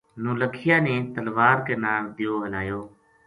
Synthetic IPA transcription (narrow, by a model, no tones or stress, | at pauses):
nũːləkʰɪjãːneːt̪əlʋaːɾkeːnaːld̪ɪjoːɦəlaːjoː